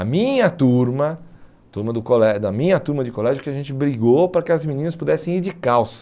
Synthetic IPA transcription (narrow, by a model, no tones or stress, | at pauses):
ɐmĩɲɐt̪uɾmɐ | t̪uɾmɐd̪ʊkolɛd̪ɐmĩɲɐt̪uɾmɐd͡ʒɪkolɛʒjʊkɪɐʒẽnt͡ʃɪbɾiɡowpɾɐkɪɐzminĩnɐspud̪ɛsẽj̃iɾd͡ʒɪkaws